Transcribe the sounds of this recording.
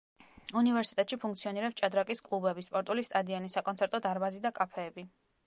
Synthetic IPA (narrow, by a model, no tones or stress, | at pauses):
univɛɾsit̪ʼɛt̪ʼʃipʰuŋk̚ʰt̪sʰiɔniɾɛpst͡ʃʼad̪ɾakʼiskʼlˠubɛbispʼɔɾt̪ʼulist̪ʼad̪ianisakʼɔnt̪sʰɛɾt̪ʼɔd̪aɾbazid̪akʼapʰɛːbi